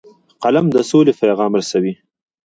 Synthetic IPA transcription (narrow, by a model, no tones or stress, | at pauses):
qalamd̪əsolepajɣɑmɾasawi